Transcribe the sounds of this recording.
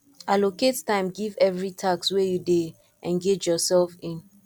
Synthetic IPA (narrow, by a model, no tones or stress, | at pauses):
aloketstãɪ̃mɡivɛvɹitʰakswɛjude | ʔɛ̃nɡed͡ʒjɔsɛlfɪ̃n